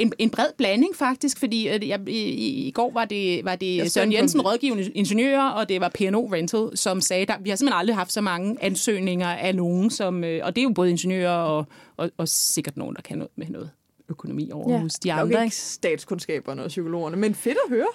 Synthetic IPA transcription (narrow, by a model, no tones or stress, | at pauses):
e̝ne̝nb̥ʁɛð̞̰ˠb̥læne̝ŋfɑ̈ɡ̥̚d̥isɡ̥fɒ̽d̥ḭːjæiiɡ̥ɒ̰ːʋɑ̈d̥e̝ʋɑ̈d̥e̝sɶɐnjensn̩ʁɒ̽ð̞ˠɡ̥ḭʊɐnəe̝nɕenjø̰ːɐɒ̽d̥e̝ʋɑ̈pʰe̝eno̝̰ːʁend̥ʰl̩ˠsɒ̽msɛːd̥ɑ̈ʋihɑse̝mhenɑ̈ldʁiɦɑ̈fd̥sɒ̽mɑ̈ŋəʔænsø̰ːne̝ŋɐʔæno̝ːn̩sɒ̽møʔɒ̽d̥e̝æjo̝b̥ɔːðˠe̝nɕenjø̰ːɐɒ̽ʔɒɒ̽se̝ɡ̥ɐd̥no̰ːn̩d̥ɑ̈kʰænɔ̽ːmenɔ̽ːð̩ˠ | økʰo̝no̝mḭːɒʊ̰ɐhusd̥iɑ̈d̥ʁɐsd̥ɛ̰ːd̥skʰonsɡ̥ɛ̰ːb̥ɐnəɒsykʰo̝lo̝̰ːɐnəmenfe̝d̥ɐɦøːɐ